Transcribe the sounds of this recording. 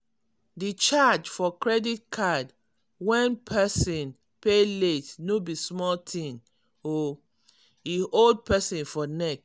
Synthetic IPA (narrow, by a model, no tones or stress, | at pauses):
dit͡ʃad͡ʒfɔkɹɛdit̚kʰad | wɛ̃npʰɛsĩn | peletnobismɔltʰĩn | o | iold̚pɛsĩnfɔnɛk